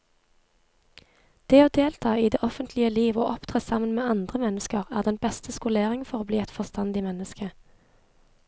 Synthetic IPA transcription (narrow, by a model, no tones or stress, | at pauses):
d̪̥eːoːd̪eːlt̪ʰɑːiːd̪eːʔɔfənt̪ʰlɪəliːʋo̰ːʔɔpt̪ʰʁeːsɑmənmeːɑnd̪ʁəmɛnəskəʁæːʁd̪ɛnbɛst̪ʰəskʊleːʁɪŋfɔʁoːbliːɛt̪fɔʁst̪ɑnd̪ɪːmɛnəskə